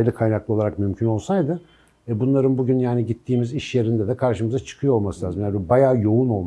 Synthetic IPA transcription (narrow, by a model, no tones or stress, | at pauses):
jlˠɯkʰajnaklˠɯo̞lˠaɾakmymcʰyno̞lˠsajd̪ɯ | ɛbunlˠaɾɯnbuɟynjaːniɟit̪ʰːiːmiziʃjeɾind̪ɛd̪ɛkʰaɾʃɯmɯzat͡ʃʰɯ̥kʰɯjo̞olˠmasɯlʲaːzɯmjad̪ɛbajaːjo̞uno̞lˠm